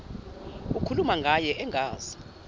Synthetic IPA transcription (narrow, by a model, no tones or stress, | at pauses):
ukʰulumaŋɡʱajɛʔɛŋɡʱaːza